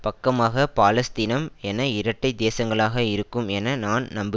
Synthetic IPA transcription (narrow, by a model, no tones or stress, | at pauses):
pɐkːɐmaːɣɐpaːlɐst̪iːnɐmɛnɐɪɾɐʈːɐɪd̪eːsɐŋɡɐɭaːɣɐɪɾɯkːɯmɛnɐnaːnnɐmbɪ